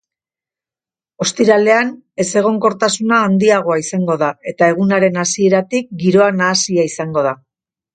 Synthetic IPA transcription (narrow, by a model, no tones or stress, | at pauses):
o̞st̪iɾale̞an | e̞se̞ɣ̞o̞ŋko̞ɾt̪asunaːnd̪iaɣ̞o̞aisaŋɡo̞ðae̞t̪ae̞ɣ̞unaɾe̞nasie̞ɾat̪ik̚ɡiɾo̞anaːsiaisaŋɡo̞ða